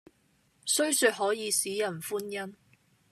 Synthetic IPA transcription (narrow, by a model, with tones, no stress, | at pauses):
sɵ˥ɥsyː˨t̚ɦɔː˨˥jiː˨˧siː˨˥jɐ˨˩nfuː˥njɐ˥m